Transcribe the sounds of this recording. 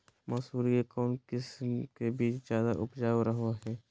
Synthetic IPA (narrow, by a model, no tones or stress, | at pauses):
maːsuːɾiekɔːnkɪsmkebiːt͡ʃzjaːd̪aʔʊpd͡ʒaːoɾəɦaɦɛː